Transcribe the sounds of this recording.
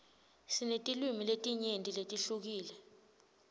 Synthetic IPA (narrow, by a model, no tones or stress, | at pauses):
sinetʼilwimiletʼiɲentʼiletʼiɬuk̬iːlɛ